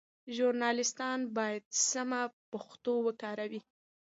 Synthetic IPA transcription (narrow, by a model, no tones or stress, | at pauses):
ʒuɾnɑlɪst̪ɑnbɑjad̪samapaxt̪owəkɑɾawi